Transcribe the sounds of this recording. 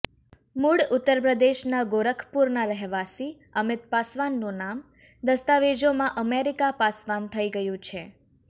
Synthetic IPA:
muɽʊt̪ːəɾpɾəd̪eʃnaɡoɾəkʰpuɾnaɾəɦʋasi | əmɪt̪̚pasʋanːũnam | d̪əst̪aʋed͡ʒomãʔəmeɾikapasʋant̪ʰəiɡəjũt͡ʃʰe

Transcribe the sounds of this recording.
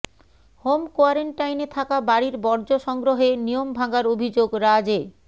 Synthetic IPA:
homkoaɾeɳʈajnet̪ʰakabaɾiɾbɔɾd͡ʑoʃɔŋɡɾoɦenijombʱaɡaɾobʱid͡ʑoɡɾad͡ʑe

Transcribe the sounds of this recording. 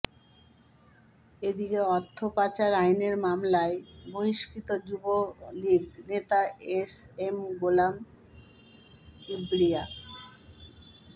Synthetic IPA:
ed̪ikeɔt̪ʰːopat͡ɕaɾajneɾmamlaeboɦiʃkit̪od͡ʑuboliɡnet̪aesemɡolam | ibɾia

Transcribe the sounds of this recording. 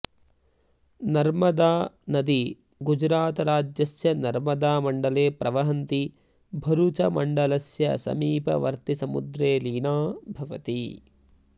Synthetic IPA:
nɐɾmɐd̪aːnɐd̪i | ɡud͡ʒɾaːt̪ɐɾaːd͡ʒjɐsjɐnɐɾmɐd̪aːmɐɳɖɐleːpɾʔɐʋɐɦɐnt̪i | bʱɐɾut͡ʃɐmɐɳɖɐlɐsjɐsɐ̰miːpɐ̰ʋɐ̰ɾt̪isɐmṵd̪ɾeːliːnaːbʱɐʋɐ̰t̪i

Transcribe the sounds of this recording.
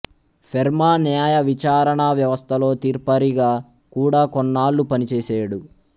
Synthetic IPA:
pʰeɾmaːnjaːjɐʋit͡ʃaːɾɐɳɐʋjɐʋɐst̪ʰɐlo̞ːt̪iːɾpɐɾiɡaː | kuːɽaːkɔnːaːlːupɐnit͡ʃeːseːɽu

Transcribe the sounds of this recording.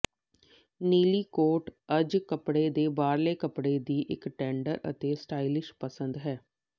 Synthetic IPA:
niːliːkoːʈəd͡ʒkəpɽeːd̪eːbaːɾleːkəpɽeːd̪iːʔɪkʈɛ̃ːɳɖə̰ɾə̰t̪eːsʈaːilɪʃpəsənd̪ɦɛː

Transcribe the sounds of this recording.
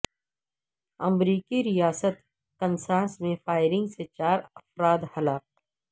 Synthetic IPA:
ɐ̰mɾiːkiɾijaːsət̪ | kɐ̃nsãːsmẽfaːɪɾɪ̃ŋɡset͡ʃaːɾɐfɾaːd̪hɐlaːq̚

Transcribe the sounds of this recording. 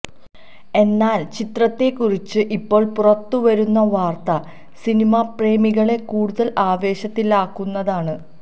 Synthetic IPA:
e̞nːaːlt͡ɕit̪rɐt̪ːe̞kːurit͡ɕːɨʔipːo̞ːɭpurɐt̪ːuʋɐɾunːɐʋaːrt̪ɐ | sinimapre̞ːmiɣɐɭe̞kuːɽuðɐlʔaːʋe̞ːɕɐt̪ːilaːkːunːɐðaːɳɨ

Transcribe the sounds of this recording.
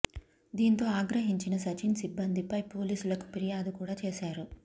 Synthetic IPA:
d̪iːnt̪o̞ːaːɡɾɐɦiɲt͡ʃinɐsɐt͡ʃinsibːɐnd̪ʱipɐjpo̞ːliːsulɐku̥piɾijaːd̪ukuːɽaːt͡ʃeːʃaːɾu

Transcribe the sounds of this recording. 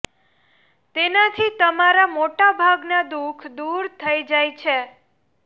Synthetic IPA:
t̪enat̪ʰit̪əmaɾamoʈabʱaɡnad̪ukʰd̪uɾt̪ʰəid͡ʒajt͡ʃʰe

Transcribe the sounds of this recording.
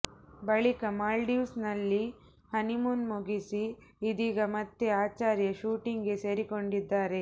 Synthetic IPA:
bɐɭikɐmaːlɖjiːsnɐlːi | hɐnimunmuɡisiː | d̪iːɡɐmɐt̪ːeaːt͡ʃaːɾjɐʃuːʈiŋɡe̞se̞ːɾiko̞ɳɖid̪ːaːɾe̞

